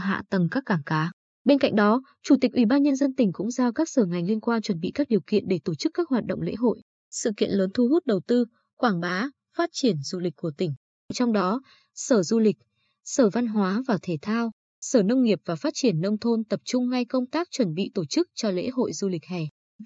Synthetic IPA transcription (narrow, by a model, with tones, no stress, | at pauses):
ɦa̰ː˧˨t̪ə˨˩mkaː˦˥kːaː˧˩ŋkaː˨˦ | ɓe˧nka̰˧˨ŋ̟ɗɔ˨˦ | t͡ɕu˧˩t̪ï˨˩k̟ʔi˧˩ɓaː˧nɲə˧nzə˧nt̪ï˨˩ŋ̟kʊ̰˧˥ŋ͡mzaː˧˩wkaː˦˥k̚səː˧˩ŋa˨˩jŋ̟li˧ənkwaː˧nt͡ɕwə˧˩nɓḭ˧˨kaː˦˥k̚ɗi˨˩əwkḭ˧˨ənɗe˧˩t̪o˧˩t͡ɕɨ˦˥kːaː˦˥k̚ɦwaː˨˩t̚ɗə̰˧˨ŋ͡mlḛ˧˥ɦo̰˧˨j | sɨ̰˧˨kḭ˧˨ənləː˨˦nt̪ʰu˧hu˦˥t̚ɗə˨˩wt̪ɨ˧ | kwaː˧˩ŋɓaː˨˦ | faː˦˥t̚t͡ɕi˧˩ənzu˧lï˨˩k̟̚ʲkːu˧˩ət̪ï˧˩ŋ̟ | t͡ɕɔ˧wŋ͡mɗɔ˨˦ | səː˧˩zu˧lï˨˩k̟̚ | səː˧˩va˧nɦwaː˨˦vaː˨˩t̪ʰe˧˩t̪ʰaː˧w | səː˧˩nə˧wŋ͡mŋi˨˩əp̚v̥aː˨˩faː˦˥t̚t͡ɕi˧˩ənːə˧wŋ͡mt̪ʰo˧nt̪ə˨˩p̚t͡ɕʊ˧ŋ͡mːa˧jkə˧wŋ͡mt̪aː˦˥k̚t͡ɕwə˧˩nɓḭ˧˨t̪o˧˩t͡ɕɨ˦˥k̚t͡ɕɔ˧lḛ˧˥ɦo̰˧˨jzu˧lï˨˩k̟̚ha˨˩